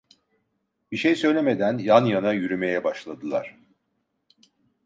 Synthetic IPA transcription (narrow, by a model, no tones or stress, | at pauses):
b̥iʃejsø̞jlʲeme̞d̪ænjanjanajyɾyme̞jɛbaʃlˠad̪ɯlˠa̰ɾ̥